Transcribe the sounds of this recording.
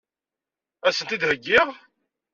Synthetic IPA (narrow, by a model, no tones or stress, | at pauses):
æsənt̪id̪həɡːɪʁ